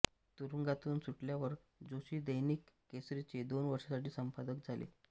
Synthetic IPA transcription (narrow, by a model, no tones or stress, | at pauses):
t̪uɾuŋɡat̪uːnsuʈljaʋəɾ | d͡zoɕiːd̪əjniːkːesɾit͡ɕed̪onʋəɾʂasaʈiːsəmpad̪əkd͡zʱalḛ